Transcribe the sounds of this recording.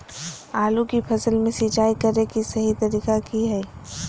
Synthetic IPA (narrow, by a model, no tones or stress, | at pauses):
aːlukipʰɐsəlmẽsit͡ʃaːikɐɾekisɐɦit̪ɐɾiːkakiɦɛː